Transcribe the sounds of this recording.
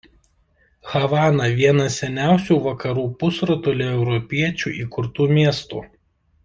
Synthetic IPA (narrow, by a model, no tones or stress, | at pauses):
xɐʋɑːnɐʋʲiɛnɐsʲɛnʲæˑʊsʲuːˑʋɐkɐɾuːpʊsɾɔt̪ulʲɛɛʊɾɔpʲiɛt͡ʃʲṵːˑʔiːkʊɾt̪uːmʲiɛst̪ṵː